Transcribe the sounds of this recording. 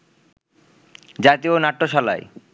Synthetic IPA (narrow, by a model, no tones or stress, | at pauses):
d͡ʑat̪ionaʈːoʃɔla̰e